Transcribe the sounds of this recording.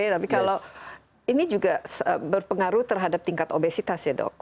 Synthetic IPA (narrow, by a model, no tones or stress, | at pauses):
t̪apikalaw | inid͡ʒuɡasəbərpəŋaɾuht̪ərɦadap̚t̪iŋkat̪obesit̪asjadɔ̰k̚